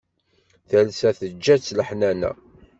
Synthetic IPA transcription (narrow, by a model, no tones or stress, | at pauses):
θælsæθəd͡ʒːæt͡sːləħnænæ̰